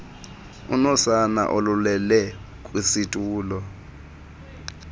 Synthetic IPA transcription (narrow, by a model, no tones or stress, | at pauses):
ṵnɔsana̰ʔolulɛlɛ | kʼwisitʼuːlɔ